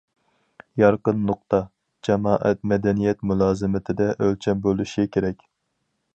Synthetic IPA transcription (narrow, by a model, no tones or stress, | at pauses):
jɑɾqənːʊq̚t̪ɑ | d͡ʒɛmɑːʔɛ̰t̪mɛd̪ɛnijɛt̪mulˠɑːzɨmɪt̪ʰɪd̪ɛʔølt͡ʃʰɛnbolˠuʃɛkʲʰeɾɛkʲ